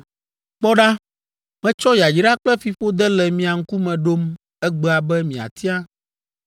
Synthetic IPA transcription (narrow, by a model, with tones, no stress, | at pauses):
k͡pɔ˦ɖa˦ | mɛ̃˦t͡ʃɔ˦ja˨d͡ʑi˨ɖa˦k͡plɛ˦fi˨ɸo˦d̪ɛ˦lɛ˨mĩ˨a˨ŋ̩˦ku˦mɛ̃˨ɖo˦m | ɛ˦ɡ͡be˦˨a˨bɛ˦mĩ˨a̰˨t̪ʰi˦a˦